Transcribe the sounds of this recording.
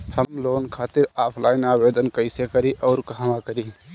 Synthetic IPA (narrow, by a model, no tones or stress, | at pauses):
həmloːnkʰaːt̪ɪɾaːpʰlaːɪnaːʋeːd̪ənkəɪsekəɾiʔɔːɾkɐɦaʋakəɾi